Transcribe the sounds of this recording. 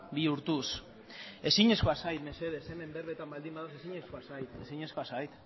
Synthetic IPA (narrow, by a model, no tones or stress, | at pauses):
biuɾt̪us | e̞siɲe̞sko̞asajt̪me̞se̞ðeseme̞mberet̪ambald̪imbaðosesiɲe̞skoasajt̪e̞siɲe̞sko̞asajt̪